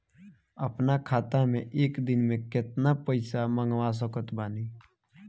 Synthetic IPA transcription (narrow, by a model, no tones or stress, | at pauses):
əpnakʰaːt̪amẽʔeːkd̪ɪnmẽkɪt̪napəɪsamə̃ŋɡʋas̬əkət̪baːniː